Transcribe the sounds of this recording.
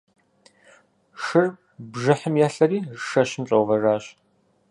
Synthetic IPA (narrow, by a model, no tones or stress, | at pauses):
ʂɨr | bʒɨħəmjaːɬɐɾiːrʂɐɕɪmɕʼɐwvɐraːɕ